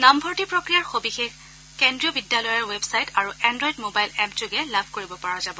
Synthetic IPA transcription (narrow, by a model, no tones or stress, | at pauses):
nambʱɔɹtipɹokɹijaɹxobixex | kendɹiɔbidːjalɔjaɹwebsajtaɹuɛndɹɔjdmobajlɛmpd͡ʒʊɡɛlabʱkoɹibɔpaɹazabɔ